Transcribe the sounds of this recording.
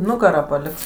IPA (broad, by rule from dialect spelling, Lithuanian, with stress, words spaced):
ˈnʊɡɐrɑː pɐˈlʲɪks